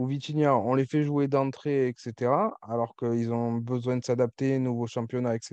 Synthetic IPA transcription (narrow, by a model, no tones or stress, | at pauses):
uvit͡ʃ̪injaɔ̃lefɛʒued̪ɑ̃t̪χeɛkset̪eʁaalɔʁkəilzɔ̃bəzwɛ̃d̪ə̥sad̪ap̚t̪enuvoʃɑ̃pjɔnaɛkse